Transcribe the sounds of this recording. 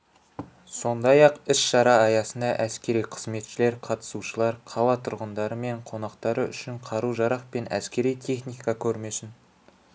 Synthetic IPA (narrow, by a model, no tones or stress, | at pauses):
so̞nd̪ɑjɑqɪʃʃɑɾɑːjɑsənd̪ɑʔæskʲe̞ɾijqʰə̥zme̞t̪ʃɪle̞ɾqʰɑt̪ə̥suʃəlˠɑɾqʰɑlˠɑt̪ʰʊɾʁənd̪ɑɾəme̞ɴqʰo̞nɑqt̪ɑɾəʏ̰ʃɪɴqʰɑɾuʒɑɾɑq̚pe̞næ̰skʲe̞ɾijt̪ʲʰe̞χnijkɑkʲʰɵɾme̞sɪn